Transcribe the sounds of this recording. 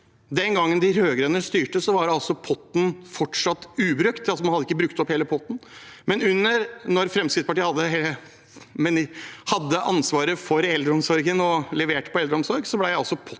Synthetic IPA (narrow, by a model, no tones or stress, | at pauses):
d̪ɛnɡɑŋːənd̪ɪɾøːɡɾənəʂt̪yːʈəsɔʋɑɖɑlsɔpʰɔt̪ːn̩fɔʈʂɑt̪ːʉːbɾœkt̪ɑlsɔmɑnhɑd̪ːəɪkːəbɾʉkt̪ɔpheːləpʰɔt̪ːn̩mɛnʉnːəɾnɔɾfɾɛmskɾɪt̪spɑʈiːəhɑd̪ːəɦeə | mɛnhɑd̪ːəʔɑnsʋɑːɾəfɔɾɛld̪ɾəɔmsɔɾɡənɔlɛʋeːʈpʰɔɛld̪ɾəɔmsɔɾɡsɔblæɪæɑlsɔpʰɔ